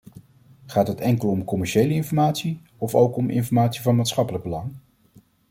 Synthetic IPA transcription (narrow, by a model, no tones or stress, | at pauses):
χaːtɦətɛŋkəlˠɔmkɔmɛɹʃejləɪnfɔɹmaːtsi | ɔfowkɔmʔɪ̰nfɔɹmaːtsivɑnmaːtsχɑpələɡ̚bəlɑŋ